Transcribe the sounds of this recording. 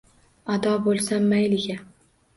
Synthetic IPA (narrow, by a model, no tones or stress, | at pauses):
ad̪ɒbolˠsamːajlɪɡʲa